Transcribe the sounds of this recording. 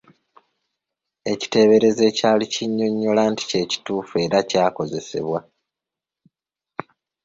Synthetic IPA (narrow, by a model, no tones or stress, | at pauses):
e̞ci̥te̞βe̞ɾe̞ze̞ːcaːliciɲːo̞ɲːolaːnti̥ce̞ːci̥tuːfe̞ːɾacaːko̞ze̞se̞̰βwa